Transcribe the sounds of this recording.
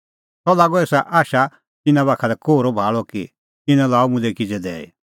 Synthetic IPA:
sɔlaːɡɔeːsaʔaːʃa | t̪ɪnãβaːkʰalɛkoːɾɔbʱaːɭɔki | ɪnãlaːumʊ̃lɛkid͡zɛd̪ɛ̰ːḭ

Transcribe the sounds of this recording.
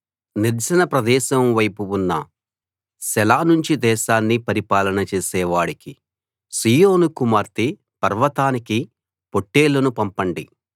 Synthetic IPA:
niɾt͡ʃɐnɐpɾɐd̪ɛːʃɐmʋɐjpuunːɐ | sɛlaːnuɲt͡ʃid̪ɛːʃaːnːipɐɾipaːlɐnɐt͡ʃɛːsɛːʋaːɽiki | siːjoːnukumaːɾt̪i | pɐɾʋɐt̪aːniki | po̞ʈːeːlɐnupɐmpɐɳɖi

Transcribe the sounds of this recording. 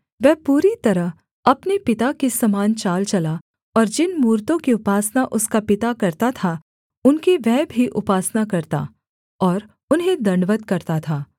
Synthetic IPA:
ʋɛːpuːɾit̪ɐɾəɦ | ɐpnepɪt̪akesɐmaːnt͡ʃaːlt͡ʃɐla | ɔːɾd͡ʒɪnmuːɾt̪õkiʊpaːsnaʔʊskapɪt̪akɐɾt̪at̪ʰa | ʊnkeʋɛɦːbʱiʔʊpaːsnakɐɾt̪a̰ | ɔːɾ | ʊnɦẽd̪ɐ̃ɳɖʋət̪̚kɐɾt̪at̪ʰaː

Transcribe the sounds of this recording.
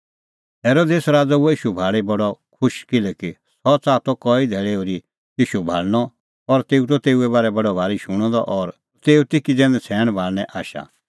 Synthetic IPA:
ɦeːɾoːd̪eːsɾaːd͡zauɛjiːʃubʱaːɭebɐɽɔkʰʊʃkɪlɛki | sɔt͡saːt̪ɔkɔid̪ʱɛːɭeoɾi | jiːʃubʱa̰ːɭnɔ | ɔɾt̪eːut̪ɔt̪eːuɛβaːɾɛbɐɖɔbʱaːɾiʃuɽ̃ɔ̃d̪ɔʔɔɾ | t̪eːut̪ɪkid͡zɛ̃ːnd̪ɛt͡sʰɛːɽ̃bʱaːɭnɛ̃ʔaːʃa̰

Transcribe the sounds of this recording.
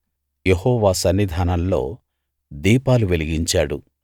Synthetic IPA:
jehɔːʋaːsɐnːid̪ʱaːnɐnlo̞̰ː | d̪iːpaːluʋeliɡiɲt͡ʃaːɽu

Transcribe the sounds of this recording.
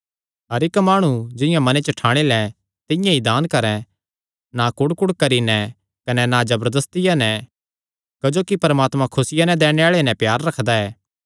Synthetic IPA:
ɦɐɾɪkmaːɽ̃ud͡ʒɪ̃jãmɐnet͡ʃəʈʰaːɽ̃elɛ | t̪ɪ̃jãid̪aːnkɐɾɛ̃ | nakʊɽkʊɽkɐɾinɛ̃ | kɐnɛnad͡ʒɐbəɾd̪ɐst̪ɪjanɛ | kɐd͡ʒoːkipɐɾmaːt̪mãkʰʊsɪjanɛ̃d̪ɛːɽ̃eaːɭenɛ̃pjaːɾːɐkʰd̪aɛː

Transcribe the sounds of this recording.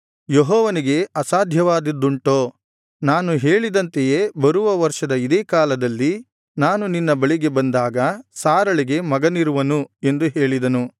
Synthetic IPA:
jeɦɔːʋɐniɡe̞ɐsaːd̪ʱjɐʋaːd̪id̪ːuɳʈoː | naːnuɦeːɭid̪ɐnt̪ejebɐɾuʋɐʋɐɾʂɐd̪ɐid̪eːkaːlɐd̪ɐlːi | naːnuninːɐbɐɭiɡe̞bɐnd̪aːɡɐsaːɾɐɭiɡe̞mɐɡɐniɾuʋɐnue̞nd̪uɦe̞ːɭid̪ɐnu

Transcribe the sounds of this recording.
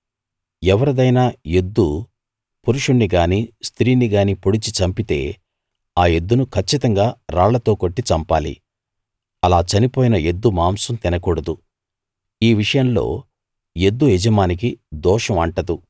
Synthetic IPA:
ɛʋɐɾɐd̪ɐjnaːe̞d̪ːu | puɾuʂuɳːiɡaːniːst̪ʰɾiːniɡaːniːpoɽit͡ʃit͡ʃɐmpit̪e̞ː | aːje̞d̪ːunukʰɐt͡ʃːit̪ɐŋɡaːɾaːɭɐt̪o̞ːko̞ʈːit͡ʃɐmpaːlḭ | ɐlaːt͡ʃɐnipoːjinɐje̞d̪ːumaːmsɐmt̪inɐkɔɽɐd̪u | iːʋiʂɐjɐmlo̞ː | je̞d̪ːuɛd͡ʒɐmaːnik̬id̪ɔːʂɐmɐɳʈɐd̪u

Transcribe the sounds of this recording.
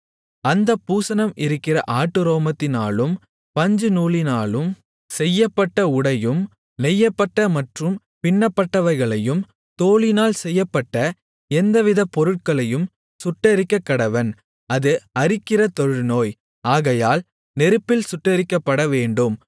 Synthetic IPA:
ɐnd̪ɐpːuːsɐnɐmʔɪɾɯkːɪrɐʔaːʈːɯɾoːmɐt̪ːɪnaːlɯm | pɐɲd͡ʒɯnuːɭɪnaːɭɯm | sɛjːɐpːɐʈːɐʊɽɐjɯm | nɛjːɐpːɐʈːɐmɐʈrɯm | pɪɳːɐpːɐʈːɐʋɐɾɣɐɭɐjɯm | t̪oːɭɪnaːlsɛjːɐpːɐʈːɐ | ɛnd̪ɐʋɪðɐpːɔɾɯʈ̚kɐɭɐjɯm | sʊʈːɐɾɪkːɐkːɐɽɐʋɐn | ɐðɯɐɾɪkːɪrɐt̪ɔɻɯɻnoːj | aːɣɐjaːl | nɛɾɯpːɪlsʊʈːɐɾɪkːɐpːɐɽɐʋeːɳɖɯm

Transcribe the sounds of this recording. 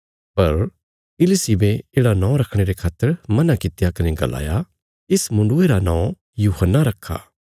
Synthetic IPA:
pɐɾ | ɪlɪsibẽeːɽanãːɾɐkʰɽ̃eɾekʰaːt̪ːəɾmɐnakɪt̪jakɐneɡɐ̰la̰ːja | ɪsmʊ̃ɳɖʊeɾanãõ | juːhənːaɾɐkʰːa̰ː

